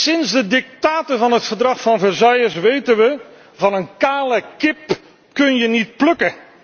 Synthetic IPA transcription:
sɪnzdədɪk̚taːtəvɑnɦətfəɹdrɑχfɑnvəɹzɑjəsʋejtənʋə | vɑnənkaːləkɪp | kɵnjənit̚plɵkə

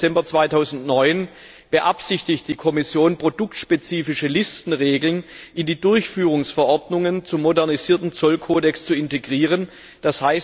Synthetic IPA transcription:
ɛmbɐt͡sv̥aɪtʰaʊzn̩tnɔʏn | b̥əʔapsɪçtɪçt̚d̥iːkʰɔmɪsjoːnpʁ̥odʊk̚tʃpet͡siːfɪʃəlɪstn̩ʁeːɡl̩nʔɪndiːdʊɐçfyːʁʊŋsfɛɐʔɔɐdnʊŋənt͡sʊmːodɛɐniziːɐtn̩t͡sɔlkʰoːdɛkst͡suɪnteɡʁiːʁ̞ən | d̥ashaɪs

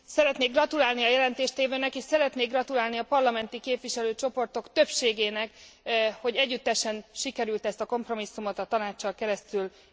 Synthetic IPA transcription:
sɛɾɛt̪neːɡrɒt̪ulaːlniɒjɛlɛnt̪eːʃt̪eːvøːnɛkeːʃsɛɾɛt̪neːɡrɒt̪ulaːlniɒpɒrlɒmɛnt̪ikeːpʋiʃɛløːt͡ʃo̞po̞rt̪o̞kt̪ø̞pʃeːɡeːnɛkho̞ɟɛɟːyt̪ːɛʃɛnʃikɛɾylt̪ɛst̪ɒko̞mpro̞misːumo̞t̪ɒt̪ɒnaːt͡ʃːɒlkɛɾɛst̪yl

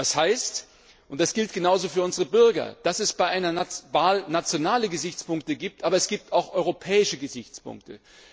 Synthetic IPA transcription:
d̥ashaɪst | ʔʊntd̥asɡ̥ɪlt̚ɡ̥ənaʊzoːfyːɐʔʊnzəʁəbʏɐɡɐ̰d̥asɛsb̥aɪʔaɪnɐvaːlnat͡sjonaːləɡəzɪçt͡spʊŋk̚təɡiːp̚tʔaːbɐɛsɡ̥iːp̚tʰaʊxʔɔʏʁopʰɛːɪʃəɡəzɪçt͡spʊ̰ŋktə̰

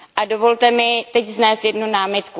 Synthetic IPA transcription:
ʔado̞vo̞lt̪ɛmɪt̪ɛcznɛːst̪jɛdnunaːmɪt̪ku

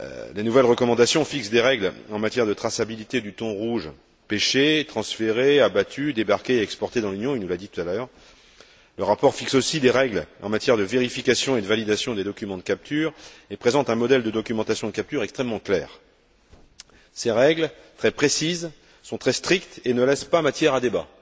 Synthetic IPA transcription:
lenuvɛlʁəkɔmɑ̃d̪asjɔ̃fiksd̪eʁɛɡlɑ̃mat̪jɛʁd̪ət̪χasabilit̪ed̪yt̪ɔ̃ʁuʒ | peʃet̪χɑ̃sfeʁeabat̪ʰyd̪ebaʁkʲeɛkspɔʁt̪ed̪ɑ̃lynjɔ̃inulad̪it̪u̥t̪allœːʁ | ləʁapɔʁfiksosid̪eʁɛɡlɑ̃mat̪jɛʁd̪əveʁifikasjɔ̃ed̪əvalid̪asjɔ̃d̪ed̪ɔkʲymɑ̃d̪əkap̚t̪yʁepχezɑ̃t̪ɛ̃mɔd̪ɛld̪əd̪ɔkʲymɑ̃t̪asjɔ̃dəkʲap̚t̪yʁɛkst̪χɛmːɑ̃klɛːʁ | seʁɛɡlt̪χɛpχesiz | sɔ̃t̪χɛst̪χikt̪enəlɛspamat̪jɛʁad̪eba

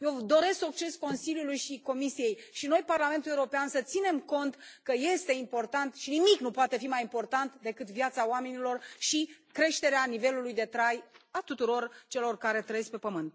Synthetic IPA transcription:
jewd̪o̞ɾe̞skuk̚t͡ʃesko̞nsilʲjulujʃiko̞misije̞jʃino̞jparlame̞nt̪ulewuɾo̞peansət̪sine̞mko̞nt̪kəje̞st̪e̞impo̞rt̪ant̪ʃinimiknupoat̪e̞fimajimpo̞rt̪ant̪d̪e̞kɨt̪vjat̪saoame̞nilo̞rʃikɾe̞ʃt̪e̞ɾeanive̞lulujd̪e̞t̪ɾajat̪ut̪uɾo̞rt͡ʃe̞lo̞rkaɾe̞t̪ɾəjespe̞pəmɨnt̪

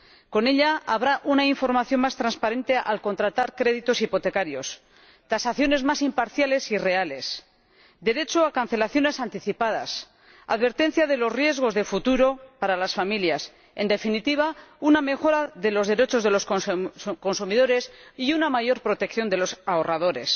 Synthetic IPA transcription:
ko̞ne̞ʎaaβɾaʔunaiɱfo̞ɾmaθjo̞nmast̪ɾanspaɾe̞nt̪e̞ʔa̰lko̞nt̪ɾat̪aɾkɾe̞ðit̪o̞sipo̞t̪e̞kaɾjo̞s | t̪asaθjo̞ne̞zmasimpaɾθjale̞sire̞ale̞s | d̪e̞ɾe̞t͡ʃoakan̟θe̞laθjo̞ne̞sant̪iθipað̞a̰s | a̰ðβe̞ɾt̪ẽ̞n̟θjaðe̞lo̞zrje̞zɣ̞o̞zðe̞fut̪uɾo̞paɾalasfamiljas | e̞̰nd̪e̞finit̪iβ̞auname̞xo̞ɾaðe̞lo̞zðe̞ɾe̞t͡ʃo̞zðe̞lo̞s | ko̞nsumiðo̞ɾe̞siunamaʝo̞ɾpɾo̞t̪e̞kθjo̞nd̪e̞lo̞saorað̞o̞ɾe̞s

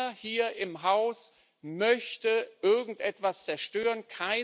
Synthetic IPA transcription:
ɐhiːɐʔɪmɦaʊs | mœçtəʔɪɐɡŋ̩tʔɛtv̥ast͡sɛɐʃtøːʁənkʰaɪ

